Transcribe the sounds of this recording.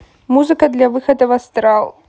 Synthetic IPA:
muzɨkɐd̪lʲɐvɨxɐd̪ɐvɐst̪ɾalˠ

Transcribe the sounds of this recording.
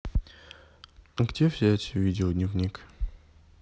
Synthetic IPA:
ɡdʲefsʲeɛtʰʲɪvʲidʲɪod̪nʲivnʲik

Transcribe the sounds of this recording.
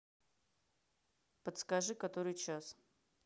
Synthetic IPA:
pət̪skaʐɨkat̪oɾɨjt͡ɕas

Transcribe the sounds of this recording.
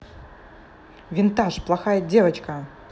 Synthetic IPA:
vʲɪnt̪aʂplˠaxajədʲevɐt͡ɕkɐ

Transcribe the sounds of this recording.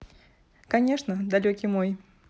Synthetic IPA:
kɐnʲeʂnəd̪ɐlʲokʲimoj

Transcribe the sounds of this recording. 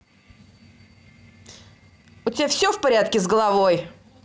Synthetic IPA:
ʊtʲɪbʲafsʲɵfpɐɾʲat̪kʲɪzɡəlˠɐvo̞j

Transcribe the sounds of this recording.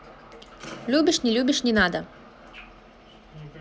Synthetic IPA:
lʲubʲiʂnʲɛlʲubʲiʂnʲɛnad̪ɐ

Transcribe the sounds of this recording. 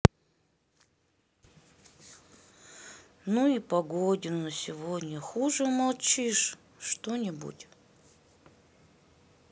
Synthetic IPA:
nuipɐɡodʲɪnəsʲɪvod̪ʲnʲəxuʐɨmɐlˠt͡ɕiʂ | ʂt̪onʲɪbṵtʲ

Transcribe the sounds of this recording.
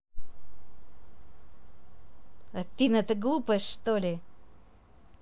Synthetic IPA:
ɐt̪ʲːinɛt̪əɡlˠupəʂt̪olʲɪ

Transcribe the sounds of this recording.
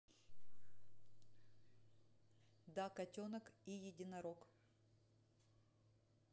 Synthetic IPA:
d̪akɐtʲonəkijɪdʲɪnɐɾok

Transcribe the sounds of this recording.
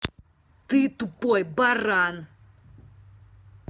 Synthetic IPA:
t̪ɨt̪upojbaran

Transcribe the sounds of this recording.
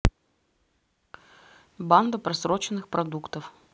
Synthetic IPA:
band̪əpɾɐsɾot͡ɕɪnːɨxpɾɐd̪ukt̪əf

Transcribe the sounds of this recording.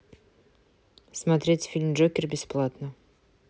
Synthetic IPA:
smat̪ɾʲetʲfʲilʲmʒokʲɪrbʲesplˠat̪nə

